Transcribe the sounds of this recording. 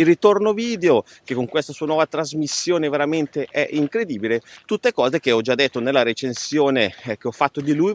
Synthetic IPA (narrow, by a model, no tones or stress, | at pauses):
ilrit̪ornoviːd̪eo | k̟ekːoŋkwest̪asuːanwɔvat̪ɾazmisːjoːneveɾament̪eʔɛʔiŋkɾed̪iːbilet̪ut̪ːekɔːzek̟eɔd͡ʒad̪ːet̪ːonelːaɾet͡ʃensjoːnek̟eɔfːat̪ːod̪iluj